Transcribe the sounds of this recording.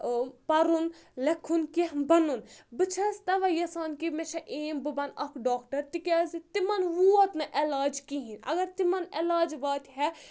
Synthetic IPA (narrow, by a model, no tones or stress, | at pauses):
pɐɾunlekʰːunkiɦbɐnunbɨt͡ʃʰɐst̪ɐʋɐjɐsaːnkimet͡ʃʰɐʔeːmbɨbɐnɐkʰɖaːkʈɐɾt̪ikʲaːzit̪imɐnʋuɐt̪nɐʔelaːd͡ʒkiɦĩnɐ̰ɡɐɾt̪imɐnelaːd͡ʒbaːt̪ɦɛ